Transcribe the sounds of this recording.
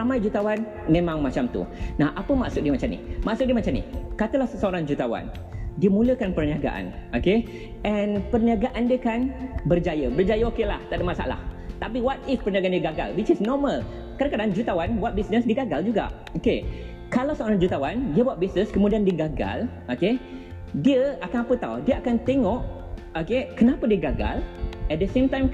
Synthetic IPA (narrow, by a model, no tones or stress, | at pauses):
ramãjd͡ʒut̪awan | mẽmãŋmat͡ʃamt̪ṵnahʔapəmaʔsuk̚diəmat͡ʃamnḭmaʔsutk̚diəmat͡ʃamnḭkat̪əlahsəoɾaŋd͡ʒut̪awa̰n | diəmũləkanpərniaɡa̰ʔa̰noke | ɛnpərniaɡaʔandiəkanbərd͡ʒajəbərd͡ʒajəokelaht̪aʔdəʔmasa̰la̰ht̪apiwat̪̚ifpərniaɡandiəɡaɡa̰lwit͡ʃisnɔməl | kadakadaŋd͡ʒut̪awanbuat̪̚bisnəsdiəɡaɡald͡ʒuɡa̰ʔ | oke | kalawsəoɾaŋd͡ʒut̪awandiəbawat̪̚bisnəskəmũdiandiəɡaɡa̰lʔoke | diəakanapət̪a̰wdiəakant̪eŋɔʔ | okekənãpədiəɡaɡa̰lɛt̪̚dəsẽmt̪ãjm